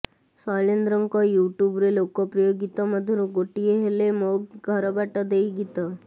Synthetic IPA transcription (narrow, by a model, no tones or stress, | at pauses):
salend̪ɾəŋkɔjuʈjubɾelokɔpɾəjoɡit̪aməd̪ʱəɾuɡoʈijeɦelemoɡɡʱəɾabaʈad̪ejiɡit̪a